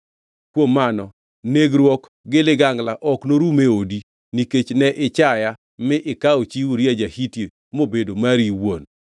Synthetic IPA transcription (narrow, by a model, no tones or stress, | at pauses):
kwomːanɔ | neɡɾwɔk | ɡɪlɪɡaŋɡlaʔɔknoɾumeodi | niket͡ʃnɛʔɪt͡ʃaja | mɪʔɪkaot͡ʃiwuɾjad͡ʒahitje | mobedomaɾiwon